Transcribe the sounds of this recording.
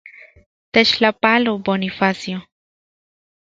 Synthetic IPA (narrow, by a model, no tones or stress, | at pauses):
t̪et͡ʃlapalobonifasjo